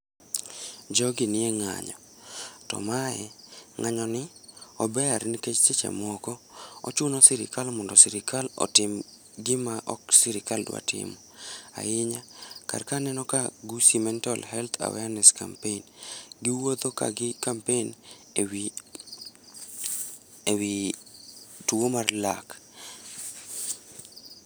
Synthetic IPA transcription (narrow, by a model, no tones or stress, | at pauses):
d͡ʒɔɡɪnɪɛŋa̰ɲɔ | tɔ̰maɛ̰ŋaɲɔnɪ | ɔbɛaɾnɪket͡ʃt͡ʃet͡ʃɛ̰mɔkɔɔ̰t͡ʃʊnɔsɪɾɪ̰kalmɔndɔsiɾɪkalɔ̰tɪm | ɡɪmaʔɔksiɾɪkaldwa̰tɪ̰mɔ | a̰ɪɲaka̰rkanɛnɔkaɡusimɛntalhɛlt̪ʰa̰wɛanɛska̰mpenɡɪwod̪oka̰ɡɪkampen | ewi | twomarlak